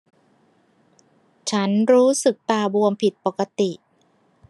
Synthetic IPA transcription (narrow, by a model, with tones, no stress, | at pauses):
t͡ɕʰa˦˥nɾuː˦˥sɯ˨˩k̚t̪aː˨˩bu˧əmpʰi˨˩t̪̚po˨˩ka˧t̪i˨˩ʔ